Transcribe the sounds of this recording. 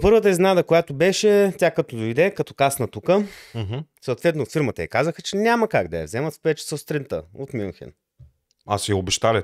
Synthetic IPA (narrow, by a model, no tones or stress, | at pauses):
pɤɾvət̪̬əiznad̪əkojat̪obɛʃɛtʲakɐt̪od̪ojd̪ɛkɐt̪ɔ̥kasnət̪ukəɦsoːt̪vɛt̪nofiɾmət̪əjɛkazəxət͡ʃɛnʲaməkaɡd̪ɐjɐ̰vzɛmɐt̪spɛt͡ʃə̥səst̪ɾint̪ə̰ot̪mio̰nxɛ̰n | a̰sɛobɛʃt̪alʲɛ